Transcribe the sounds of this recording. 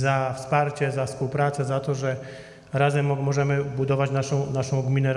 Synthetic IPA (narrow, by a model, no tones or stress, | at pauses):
zafspaɾt͡ɕɛzafspuwpɾat̪sɛzat̪ɔʐɛ | ɾazɛmːɔʐɛmɘbud̪ɔvat͡ɕnaʂɔ̃w̃naʂɔ̃w̃ɡmʲinɛ